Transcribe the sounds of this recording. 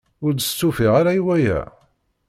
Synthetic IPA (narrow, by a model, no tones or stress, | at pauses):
ʊɾd̪əst͡sːufiʁaɾajwæjæ̰